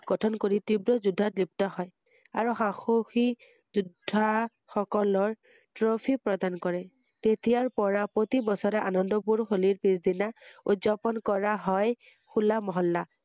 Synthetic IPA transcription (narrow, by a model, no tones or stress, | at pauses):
ɡ̥ɔtʰɔnkoɹitibɹɔzudʱːatip̚tɔɦɔj | aɹuxaxoxi | zudʱːa | xɔkɔlɔɹ | tɹopʰipɹɔdankɔɹɛ | tetijaɹpɔɹapɹotibɔsɔɾɛʔanɔndɔp̬uɹxoliɹpisd̪inaṵtzapɔnkɔɹaɦɔj | xulamɔɦɔlːa